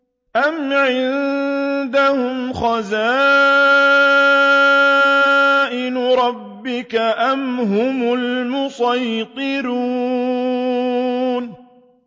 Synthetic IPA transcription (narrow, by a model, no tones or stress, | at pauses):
ʔamʕɪn | d̪ahʊmxɑzaː | ʔɪnʊɾˤɑbːɪkaʔamɦʊmʊlmʊsˤɑjq̪ɪɾuː | n